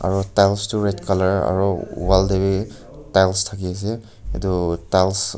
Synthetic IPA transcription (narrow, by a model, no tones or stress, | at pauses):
a̰ɹutajlstʊɹɛtkalaɹa̰ɹṵwaldebi | tajlstʰakias̬ɛ | ɛ̰tutajls